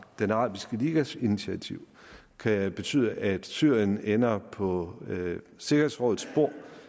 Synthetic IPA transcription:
d̥enʁɑ̰̈ːb̥isɡ̥əliːɡ̥æsinit͡sʰiæt͡sʰiʊ̰ | kʰæb̥e̝t͡sʰy̰ːð̰ˠəʔæd̥syɐ̰jənenɐpʰɒ̽ | se̝ɡ̥ɐhe̝sʁɔ̽ð̩ˠsb̥o̝ɐ̰

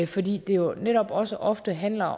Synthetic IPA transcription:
fɒ̽d̥ḭːd̥e̝jo̝neɾ̥ɒ̽b̥ɒ̽səʔɒ̽fd̥əɦæn̰lɐ

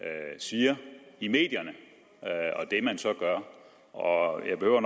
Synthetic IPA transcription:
siːɐime̝̰ːd̥jɐnə | ɒ̽d̥e̝mænsɒ̽ɡ̥ɶɐ | ɒjɑ̈ɪb̥e̝høʊ̰ɐn

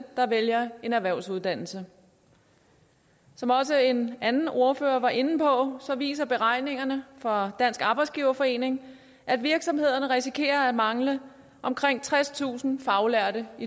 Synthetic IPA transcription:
d̥ɑ̈ʋeljɐe̝næʋæɐʊsuðˠd̥æn̰l̩sə | sɒ̽mɒ̽s̬əe̝nʔænn̩ʔo̝ɐfø̰ːɐʋɑ̈ʔe̝nn̩pʰɒ̽sɒ̽ʋḭːsɐb̥e̝ʁɑ̈ɪ̰ne̝ŋɐnəfɒ̽d̥æn̰sɡ̥ɑ̈ːb̥ɑ̈ɪdsɡ̥iːʊɐfɒ̽e̝̰ːne̝ŋ | ʔæd̥ʋiɐɡ̥sɒ̽mhe̝ð̞̰ˠɐnəʁisikʰe̝̰ːɐæmɑ̈ŋlə | ʔɒ̽mkʰʁeŋ̰t͡sʰʁast͡sʰṵːsn̩fɑ̈ʊlæɐ̰ɾəi

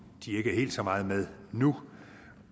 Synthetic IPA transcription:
d̥ie̝ɡ̥əæɐe̝ːld̥sɒ̽mɑ̈ːð̞̩ˠmeð̞ˠnu

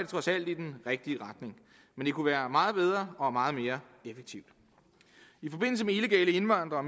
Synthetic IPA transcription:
t͡sʰʁɒ̽sæl̰d̥id̥enʁɛɡ̥̚d̥iəʁɑ̈d̥ne̝ŋ | mend̥e̝kʰuʋæːɐmɑ̈ːð̞̩ˠb̥eð̞ˠʁɐɒ̽mɑ̈ːð̞̩ˠme̝ːɐ | efeɡ̥̚t͡sʰiʊ̰d̥ | ifɒ̽b̥e̝n̰l̩s̬əmeile̝ɡ̥ɛ̰ːləe̝nʋɑ̈n̰d̥ʁɐɒ̽m

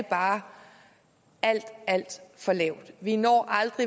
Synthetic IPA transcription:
əb̥ɑ̈ː | æl̰d̥æl̰d̥fɒ̽lɛʊ̰d̥ʋinɒ̰ːʔɑ̈ld̥ʁi

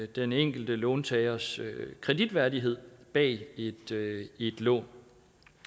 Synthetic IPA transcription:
d̥eneŋ̰ɡ̥l̩d̥əlɔːnt͡sʰɛɪɐskʰʁɛd̥id̥ʋæɐdiɦe̝ð̞̰ˠb̥ɛ̰ːe̝d̥e̝d̥lɔ̰ːn

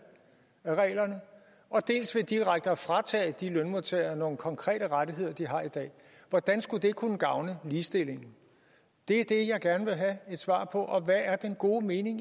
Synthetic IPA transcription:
æʁɛ̰ːlɐnə | ʔɒ̽d̥e̝̰ːlsʋe̝d̥iʁaɡ̥̚d̥əɒfʁɑ̈t͡sʰɛ̰ːd̥ilœnmot͡sʰḛːɐno̝ːn̩kʰɒ̽ŋkʰʁɛ̰ːɾ̥əʁadiɦe̝ð̞̰ˠɐd̥iɦɑ̈id̥ɛ̰ː | ʋɒd̥ænsɡ̥ud̥e̝ɡ̚kʰunəɡ̥ɑ̈ʊnəliːsd̥e̝l̰e̝ŋn̩ | d̥e̝æɐd̥e̝jɑ̈ɪɡ̥æɐnəʋe̝ɦæe̝d̥sʋɑ̰̈ːpʰɒ̽ʔɒ̽ʋææɐd̥enɡ̥o̝ːme̝ːne̝ŋ

